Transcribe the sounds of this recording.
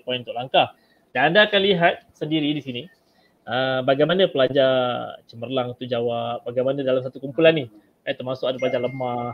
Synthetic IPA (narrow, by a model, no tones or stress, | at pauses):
pɔinunt̪ʊklaŋkah | daŋandaːkanliɦat̪̚səndiɾidisini | ʔəbaɡajmanãpəlad͡ʒat͡ʃəmərlaŋt̪ud͡ʒawap̚baɡajmanadalams̬at̪ukumpulanːi | at̪ərmasʊkadapəlaɲd͡ʒaləma